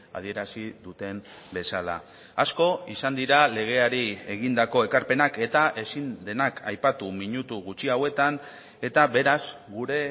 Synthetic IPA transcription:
a̰ð̞ie̞ɾasiðut̪e̞m | be̞sala̰ | asko̞isand̪iɾale̞ɣ̞e̞aɾie̞ɣ̞ind̪ako̞e̞kaɾpe̞nake̞t̪aʔe̞sind̪e̞nakʰajpat̪umiɲut̪uɣut͡ʃiawe̞t̪an | e̞t̪aβe̞ɾazɡuɾe̞

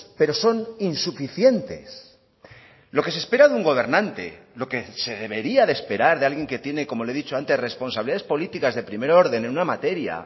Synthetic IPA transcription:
pe̞ɾo̞so̞ninsufiθje̞nt̪e̞s | lo̞ke̞sespe̞ɾaðuŋɡo̞β̞e̞ɾnãnt̪e̞̰ | lo̞ke̞se̞ðe̞βe̞ɾiaðespe̞ɾaɾðealɣje̞ŋke̞t̪je̞ne̞ko̞mo̞le̞ðit͡ʃoant̪e̞sre̞spo̞nsaβiliðaðespo̞lit̪ikazðe̞pɾime̞ɾo̞ɾðe̞nenunamat̪e̞ɾja̰

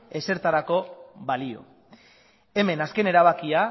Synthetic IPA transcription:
e̞se̞ɾt̪aɾako̞βalio̞̰ | e̞me̞naske̞ne̞ɾaβ̞akia

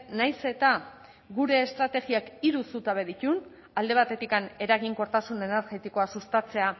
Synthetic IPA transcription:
najse̞t̪a | ɡuɾe̞ːst̪ɾat̪e̞ɣiakiɾusut̪aβe̞ðit̪un | ald̪e̞β̞at̪e̞t̪ikane̞ɾaɣiŋko̞ɾt̪asune̞ne̞ɾɣe̞t̪iko̞asust̪at͡se̞a

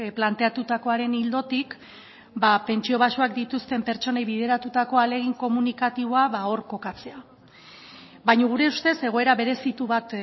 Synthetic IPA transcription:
plant̪e̞at̪ut̪ako̞aɾe̞nild̪o̞t̪ik | bape̞nt͡ʃio̞β̞asuakd̪it̪ust̪e̞mpe̞ɾt͡ʃo̞nejβið̞e̞ɾat̪ut̪ako̞ale̞ɣ̞iŋko̞munikat̪iβ̞o̞aβao̞rko̞kat͡se̞a | bajɲoɣ̞uɾe̞ust̪e̞se̞ɣ̞o̞e̞ɾaβe̞ɾe̞sit̪uβat̪

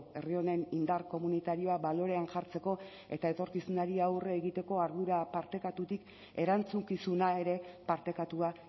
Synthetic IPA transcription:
e̞rio̞ne̞nind̪aɾko̞munit̪aɾio̞aβalo̞ɾe̞anʝaɾt͡se̞ko̞ | e̞t̪ae̞t̪o̞ɾkisunaɾiawreːɣit̪e̞ko̞aɾðuɾapaɾt̪e̞kat̪ut̪ik | e̞ɾant͡suŋkisunae̞ɾe̞paɾt̪e̞kat̪ua

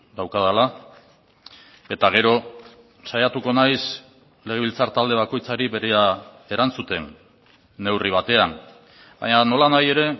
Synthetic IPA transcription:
d̪awkaðala | e̞t̪aɣ̞e̞ɾo̞ | sajat̪uko̞najs | le̞ɣeilt͡saɾt̪ald̪e̞β̞ako̞jt͡saɾiβe̞ɾea | e̞ɾant͡sut̪e̞nː | e̞wriβ̞at̪e̞an | ba̰ɲano̞lanaje̞ɾe̞

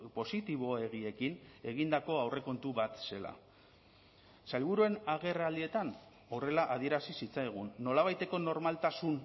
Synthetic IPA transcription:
po̞sit̪iβ̞o̞e̞ɣ̞ie̞kine̞ɣ̞ind̪ako̞awre̞ko̞nt̪uβat̪se̞la̰ | salβuɾue̞naɣe̞raːld̪ie̞t̪an | o̞re̞laʔaðie̞ɾasisit͡sajɣ̞unːo̞laβajt̪e̞ko̞no̞ɾmalt̪asun

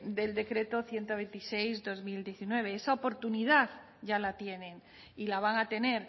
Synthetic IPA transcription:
d̪e̞ld̪e̞kɾe̞t̪o̞θje̞nt̪oβ̞ẽ̞nt̪ise̞jzd̪o̞zmild̪jeθinwe̞β̞eesaopo̞ɾt̪uniðað | ɟ͡ʝalat̪je̞nẽ̞ŋ | ilaβ̞aŋat̪e̞ne̞ɾ

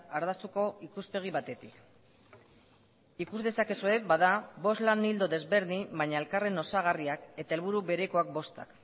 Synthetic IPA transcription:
aɾðast̪uko̞ikuspe̞ɣ̞iβat̪e̞t̪ik | ikuzðe̞sake̞sue̞baðaβo̞slanild̪o̞ðe̞zβe̞ɾðimbaɲae̞lkare̞no̞saɣ̞ariake̞t̪ae̞lβ̞uɾuβe̞ɾeko̞ak̚bo̞st̪a̰k

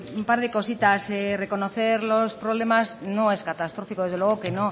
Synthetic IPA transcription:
umpaɾð̞ekosit̪aserekonoθeɾlospɾoβlemaznõeskat̪ast̪ɾofikoðezðeweɣokenõ

